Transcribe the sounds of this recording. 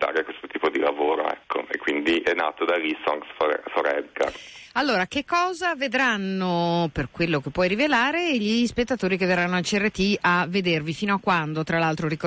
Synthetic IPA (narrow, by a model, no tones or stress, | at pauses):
t̪a̰ːɾekwest̪ot̪iːpod̪ilavoːɾo̰ɛ̰kʰːo̰ḛkːwind̪iʔɛnːa̰ːt̪od̪alisɔŋɡsffoɾɛ̰d̪ɡa̰ralːoːɾak̟ekːɔːzaved̪ɾanːoperkwelːokepːwɔjɾivelaːɾeʎispet̪ːat̪oːɾikeveranːoalt͡ʃiɛrːet̪iavːed̪ervifiːnoakːwand̪ot̪ɾalːalt̪ɾoɾiko